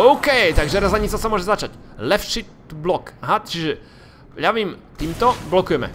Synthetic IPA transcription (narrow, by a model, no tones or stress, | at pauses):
owkɛjt̪aɡʒɛɾazaɲizasamwɔʒɛzat͡ʃac | lɛpʃi | blɔkaɦat͡ʃiʒɛ | javimt̪imt̪ɔblɔkujɛmɛ̰